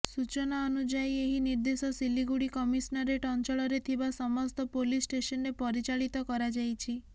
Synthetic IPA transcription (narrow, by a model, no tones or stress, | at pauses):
sut͡ʃɔnaɔnud͡ʒajeɦiniɾd̪esɔsiliɡuɽikɔmisnaɾeʈɔnt͡ʃɔɭɔɾet̪ʰibasɔmɔst̪ɔpolisʈesɔnɾepɔɾit͡ʃaɭit̪ɔkɔɾad͡ʒajt͡ʃʰi